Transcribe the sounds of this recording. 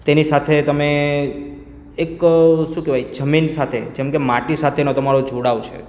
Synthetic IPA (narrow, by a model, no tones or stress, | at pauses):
t̪enisat̪ʰet̪əme | ekʃũkeʋajd͡ʒəminsat̪ʰed͡ʒɛmkemaʈisat̪ʰenot̪əmaɾod͡ʒʱoɽawt͡ʃʰḛ